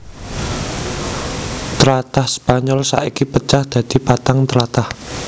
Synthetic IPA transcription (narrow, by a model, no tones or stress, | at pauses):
t̪əɾat̪ahspaɲɔlsa̰ʔikipət͡ʃahd̪̥ä̤d̪̥i̤pat̪aŋt̪əɾat̪ah